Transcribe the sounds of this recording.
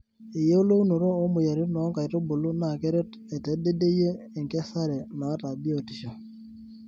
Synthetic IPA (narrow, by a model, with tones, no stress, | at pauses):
i˨je˦o˦lo˦u˦no˨ɾoː˦mʊ˨ja˨ɾi˦nɔː˨˦ŋka˨i˨to˦bo˨lu˦na˨kɛ˦ɾe˦t | e˨te˨˦de˦de˦jeː˦˨ŋkɛ˦sa˦ɾe˨na˨˦ta˨bi˦o˨ti˨ʃa˨